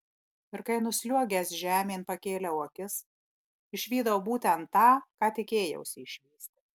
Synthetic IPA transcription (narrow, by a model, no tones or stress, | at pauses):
ɪɾkɐɪnʊsʲlʲuɔɡʲɛsʒʲæːmʲeːnpɐkʲeːlʲɛuɔkʲɪs | ɪʃʲʋʲiːd̪ɐwbuːt̪ʲɛnt̪ːɑːkɑːt̪ʲɪkʲeːjɛ̰ʊsʲɪɪʃʲʋʲiːsʲt̪ʲɪ